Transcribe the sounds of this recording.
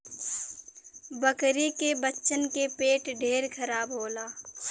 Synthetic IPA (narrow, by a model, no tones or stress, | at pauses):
bəkɾekebətːʃənkepeːʈɖʱeːɾkʰɐɾaːbɦoːlaː